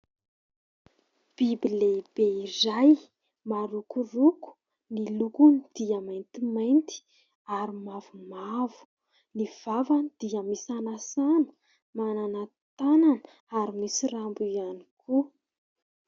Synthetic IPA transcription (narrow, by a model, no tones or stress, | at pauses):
b̥ibileb̥eiɾaj | maɾukuruku̥ | nilukunid̪̥iamajnt̪imajnt̪i̥ | aɾimavumavu̥ | niv̥avanid̪̥iəmisanasanə̥ | manana | t̪ananə | aɾimisirambuianikʰu